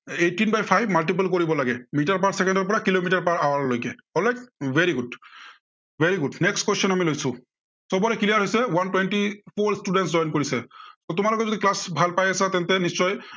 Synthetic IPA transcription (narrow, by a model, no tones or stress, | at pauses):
etinbajpʰajbmalʈip̬alkoɹibɔlaɡɛmitaɹpaɹsɛkɛndɔɹpɔɹakilomitaɹpaɹawaɹlojkɛ | ɔnlajk̚vʱeɹiɡud | beɹiɡudnɛkstkwesɔnamilojsʊ | sɔbɔɹɛkilijaɹɦojsɛwantwɛnʈipʰoɹstudɛntszɔjnkoɹisɛsotʊmalɔkɛzodiklasbʱalpajasat̪ɛntɛnisːɔj